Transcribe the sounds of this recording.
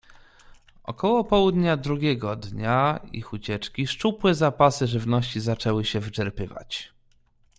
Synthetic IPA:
ʔɔ̰kɔwɔpɔwud̪ɲad̪ɾuɡʲɛɡɔd̪ɲaḭxut͡ɕɛt͡ʂkʲiʂt͡ʂupwɛzapasɘʐɘvnɔɕt͡ɕizat͡ʂɛwɘɕɛvɘt͡ʂɛɾpɘva̰t͡ɕ

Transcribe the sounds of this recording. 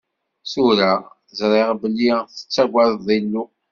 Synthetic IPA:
suɾa | zɾˤeʁbəlːiθə̥t͡sːæɡʷaððˤilːu

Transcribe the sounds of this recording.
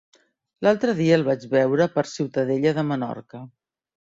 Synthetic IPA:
lalˠt̪ɾəðiəːlˠβad͡ʒβɛwɾəpəɾsiwt̪əðeʎəðəmənɔ̰ɾkə

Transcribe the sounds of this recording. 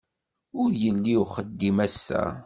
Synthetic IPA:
ʊɾjəlːiwχəd̪ːimæsːæ̰

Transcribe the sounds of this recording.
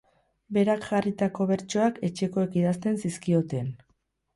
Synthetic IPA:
be̞ɾakʝarit̪ako̞βe̞ɾt͡ʃo̞ake̞t͡ʃe̞ko̞e̞kiðast̪e̞nsiskio̞t̪en

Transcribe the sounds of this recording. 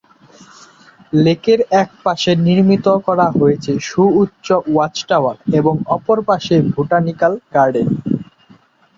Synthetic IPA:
lekeɾɛk̚paʃeniɾmit̪okɔɾaɦojet͡ɕʰeʃuːtːɕowat͡ɕʈawaɾeboŋɔpoɾpaʃebʱuʈanikalkaɾɖe

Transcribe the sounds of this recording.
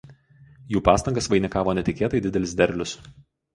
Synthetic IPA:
juːpɑːst̪ɐŋɡɐsʋɐɪnʲɪkɑːʋoːnʲɛt̪ʲɪkʲeːt̪ɐɪd̪ʲɪd̪ʲɛlʲɪs̬d̪ʲɛɾʲlʲʊs

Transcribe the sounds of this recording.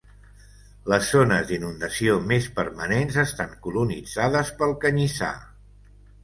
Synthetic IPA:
ləzːonəzðinund̪əsiomespəɾmənenzəst̪aŋkulunid͡zaðəspəlˠkəɲisa̰

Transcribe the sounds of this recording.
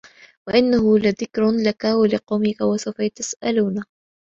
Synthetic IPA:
waʔɪnːahʊlaðɪkɾʊlakawalɪqɑwmɪkawasawfajat̪asʔaluːna

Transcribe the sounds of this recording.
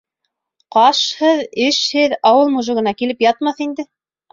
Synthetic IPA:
qɑʃhɤðɘʃhɘðɑwɤlˠmuʒɤ̆ɣɤ̆nɑkilɘpjɑt̪̚mɑθind̪ɘ

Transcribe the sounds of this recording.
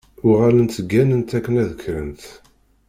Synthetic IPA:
ʊʁalənt̪əɡːænənt̪ækːənæðəkʰːɾə̰nt̪

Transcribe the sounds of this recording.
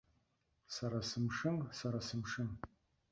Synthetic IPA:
saɾasɨmʂɨmsaɾasɨmʂɨm

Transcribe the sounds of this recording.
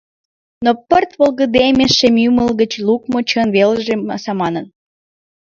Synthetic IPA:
nopərt̪βolˠɣə̆d̪emʲeʃːemjyməlɣə̆t͡ɕlukmot͡ɕənβelʒemɑsɑmɑnə̆n

